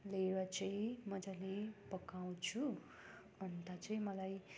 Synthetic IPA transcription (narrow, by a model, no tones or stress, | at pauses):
leɾʌt͡sʌĩmʌd͡zalepʌkaw̃t͡sʰu | ʌnt̪at͡sʌĩmʌlaj